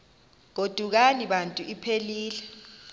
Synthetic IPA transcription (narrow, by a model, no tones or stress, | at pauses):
k̬od̥ʱuk̬aniɓantʼuʔipʰeliːlɛ